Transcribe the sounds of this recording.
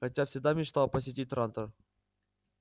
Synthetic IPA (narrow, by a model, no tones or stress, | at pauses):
xɐtʲafsʲɪɡ̚d̪amʲɪt͡ɕt̪alˠpəsʲɪtʲit̪̚ʲɾant̪ər